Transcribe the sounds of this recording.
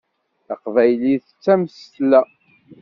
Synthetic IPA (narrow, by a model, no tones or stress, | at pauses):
əqvæjliθt͡sːæmst̪læ